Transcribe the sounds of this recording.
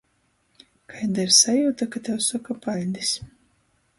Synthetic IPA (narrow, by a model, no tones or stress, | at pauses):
kʰajnd̪aɾsajuːt̪akat̪ʲɛwsɔkapalʲd̪is